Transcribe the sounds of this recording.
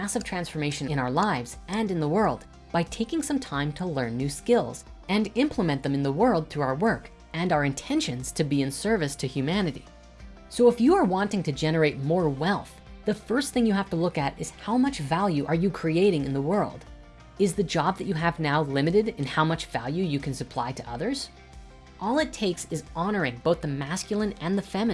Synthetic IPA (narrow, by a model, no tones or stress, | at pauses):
mæsʌv̥tʰɹ̥æ̃nsfə˞meɪʃɨ̃nɨ̃ɾ̃aʊə˞laɪvz̥ɨ̃nɨ̃nðəwɜ˞lˠd | b̥aɪtʰeɪkɪ̃ŋsʌ̃mtʰãɪ̃mtʰəlɜ̃˞nːʉskɪlˠz̥ɨ̃nɪ̃mpʰləmɛ̃nðɨ̃mɨ̃nðəwɜ˞lˠd̪̚θɹuaʊə˞wɜ˞k | ɨ̃naʊə˞ɨ̃ntʰɛ̃nʃɨ̃nz̥tʰɨbiɨ̃nsɜ˞vɨstʰɨhjʉmænɨɾḭ | soʊɨfjɨə˞wɑ̃ntɪ̃ŋtʰɨd͡ʒɛnə˞eɪt̚mɔɹwɛlˠθ | ðɨfɜ˞st̪θɪ̃ŋjɨhæftəlʊkɨɾɨz̥haʊmʌt͡ʃvælˠjʉʔə˞jɨkʰɹ̥ieɪɾɪ̃ŋɨ̰̃nðəwɜ˞lˠd | ɨzðɨd͡ʒɑb̚ðɨt͡ʃɨɨvnaʊlɪ̃mɨɾɨɾɨ̃nhaʊmʌt͡ʃv̥æ̰lˠjʉjɨkʰɨ̃n̩sɨpʰl̥a̰ɪɾɨʔʌðə˞z̥ | ʔɔlˠɨtʰeɪksɨzɑnə˞ɪ̃ŋboʊθðɨmæskjl̩ˠə̃nɨ̃nðɨfɛmɨ